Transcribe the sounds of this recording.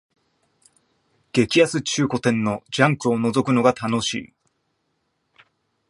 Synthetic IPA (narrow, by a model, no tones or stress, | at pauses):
ɡ̥e̞kʲijasɨt͡ɕɨːko̞t̪ẽ̞nːo̞d͡ʑãŋkɯ̟o̞no̞zo̞kɯ̟no̞ɡat̪ano̞ɕḭː